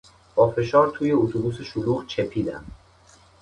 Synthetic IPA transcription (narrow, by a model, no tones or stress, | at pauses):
b̥ɒːfe̞ʃɒːɾt̪ʰuːje̞ot̪ʰobuːse̞ʃoluːɣt͡ʃʰe̞pʰiːd̪æ̰m